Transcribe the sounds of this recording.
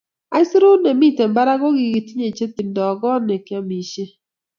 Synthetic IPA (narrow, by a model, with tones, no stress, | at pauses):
a˨˦ɪ˦sɾu˦nɛ˨mi˦te˨mba˦ɾa˦ɡɔ˦ɡi˨ɡi˨ti˦ɲe˨t͡ʃe˦t̪i˨ndɔ˨ɡɔ˦nɛ˨ka˦mi˨ʃe˦